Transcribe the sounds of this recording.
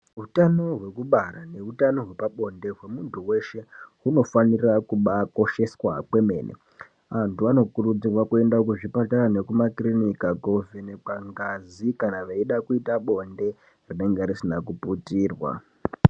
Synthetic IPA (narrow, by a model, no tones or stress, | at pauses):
utano̞ɦwe̞kuɓaɾane̞utano̞ɦwe̞paɓo̞nde̞ɦwe̞muntuwe̞ʃe̞ɦuno̞fanirakuɓako̞ʃe̞swake̞me̞̰ːnʔḛ | antuano̞kurud͡zirwakue̞ndaokuʐipataɾane̞kumakrinikaɡʱovʱenekaŋɡazikanaʋeiɗakuitaɓo̞nde̞ | rine̞ŋɡeɾisinak̬uputiːrwa̰